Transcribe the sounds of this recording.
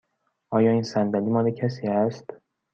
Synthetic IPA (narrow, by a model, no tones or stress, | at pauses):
ʔɒːjɒːiːnsænd̪ælimɒːlecʰæsiːæst̪